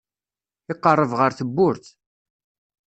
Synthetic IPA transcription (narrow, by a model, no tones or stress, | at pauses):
ɪqːərˤːəvʁəɾθəbːʊɾθ